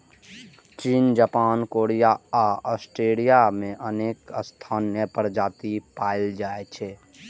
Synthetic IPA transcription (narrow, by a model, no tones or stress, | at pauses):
t͡ʃiːnd͡ʒaːpaːnkoːɽijaaɔsʈeːlijamẽʔəneːkəst̪ʰaːnjəpəɾd͡ʒaːt̪ipaːild͡ʒaːet͡ʃʰɛ